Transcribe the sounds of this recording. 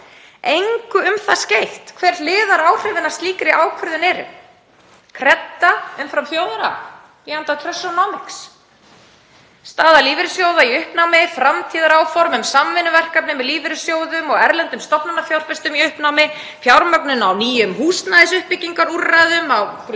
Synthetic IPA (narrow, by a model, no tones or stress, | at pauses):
ejŋkʏʏmθascejht̪kʰvɛɾlɪːðaɾaːwr̥ɛvɪnḁst̪liːkɾɪʔaːwkʰʏɾðʏnɛːɾʏ̰m | kʰɾɛt̪ːaʏmfɾamfjoːwðaɾa | iant̪at̪ʰɾœsːɔnɔmɪks | st̪aːðaliːvɪɾʏsjowðaiʏhpnawmɪfɾamt̪ʰiːðaɾaːwfɔɾmʏmsamvɪnːʏvɛr̥kap̚nɪmɛðliːvɪɾʏsjoːwðʏmɔɣɛɾlɛnt̪ʏmst̪ɔpnanafjawɾ̥fɛst̪ʏmiʏhpnawmɪ | fjawɾmœknʏnawniːjʏmɦuːst̪naðɪsʏhpːɪciŋkaɾuraðʏmaw